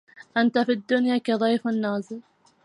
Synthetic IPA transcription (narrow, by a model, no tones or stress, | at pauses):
ʔant̪afid̪ːʊnjaːkad̪ˤɑjfanːaːzɨɾ